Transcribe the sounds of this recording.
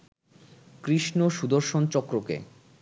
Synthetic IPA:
kɾiʃnoʃud̪oɾʃont͡ɕɔkɾokḛ

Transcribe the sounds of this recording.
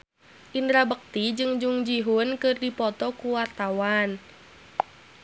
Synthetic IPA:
ʔindɾabək̚t̪id͡ʒɨŋd͡ʒuŋd͡ʒiɦunkɨrdipɔt̪ɔkuwart̪awan

